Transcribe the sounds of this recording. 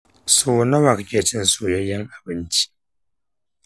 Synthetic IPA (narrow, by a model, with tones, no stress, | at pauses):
so˨na˦βa˨kkʲɛ˨ti˦n̩˨so˨jɔ˦ja˦ŋa˨bɨ˨n̩˦t͡ʃi̥˦